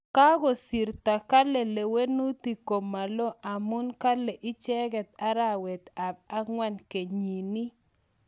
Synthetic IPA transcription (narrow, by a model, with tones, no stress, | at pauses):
ka˦ɣo˨si˨ɾt̪a˨ka˦lɛ˨le˨we˦nu˦t̪i˨ko˨ma˨lo˦ʔa˨mʊ˦nka˦lɛ˨ʔɪ˦t͡ʃɛ˦ɡɛ˨t̪a˦ɾa˨wɛ˨t̪a˨ba˦ŋwa˦nke˨ɲi˨ni˦